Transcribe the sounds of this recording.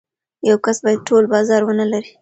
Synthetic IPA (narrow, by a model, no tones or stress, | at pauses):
jawkasbɑjad̪̚ʈʰolbɑzɑɾwənalaɾi